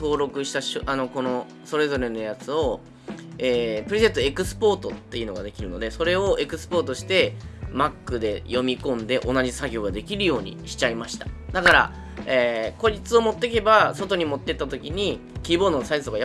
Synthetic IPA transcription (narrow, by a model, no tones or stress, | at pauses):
to̞ːɾo̞kɯ̟ɕi̥t̪aɕoʔano̞ko̞no̞ | so̞ɾe̞zo̞ɾe̞no̞jat͡sɨo̞ | eːpɯɾezẽt̪ːoe̞kɯ̟sɨ̥po̞ːt̪o̞t̪ːe̞iɯ̟no̞ɡad̪e̞kʲiɾɯ̟no̞̰d̪e̞so̞ɾe̞o̞e̞kɯ̟sɨ̥po̞ːt̪o̞ɕi̥t̪e̞makːɯ̟d̪e̞jo̞mʲikõ̞nd̪e̞ʔo̞naʑisaɡʲo̞ːɡad̪e̞kʲiɾɯ̟jo̞ːɲ̟ḭɕi̥t͡ɕaimaɕi̥t̪ḁd̪akaɾa̰ | eːko̞d͡ʑit͡sɨo̞mo̞t̪ːek̬e̞baso̞t̪o̞ɲ̟imo̞t̪ːet̪ːat̪o̞kʲiɲ̟i | kʲiːbo̞ːd̪o̞nosaizɨ̥oɡaja